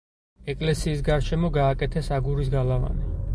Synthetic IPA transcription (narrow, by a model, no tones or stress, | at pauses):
ɛkʼlɛsiːsɡaɾʃɛmɔɡaːkʼɛt̪ʰɛsaɡuɾisɡalava̰nɛ